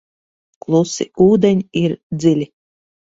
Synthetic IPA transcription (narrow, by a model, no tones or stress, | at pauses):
klˠusḭuːd̪enʲiɾd̪zilʲi